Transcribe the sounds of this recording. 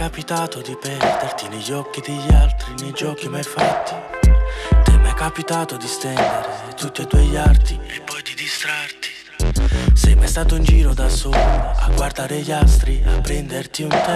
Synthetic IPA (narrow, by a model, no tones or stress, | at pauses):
kapit̪aːt̪ʊd̪ipɛɾd̪ert̪ineʎːɔkːid̪eʎːalt̪ɾinejd͡ʒɔːkimajfat̪ːi̥ | t̪ɛmajkːapit̪aːt̪ʊd̪ist̪ɛnd̪eɾe | t̪ut̪ːid̪uɛʎːart̪iɛpːɔjd̪id̪ist̪ɾart̪i̥ | sɛjmajst̪aːt̪ʊind͡ʒiːɾʊd̪asɔːla̰ɡward̪aːɾeʎalt̪ɾia̰pːɾɛnd̪ert̪iunt̪ɛ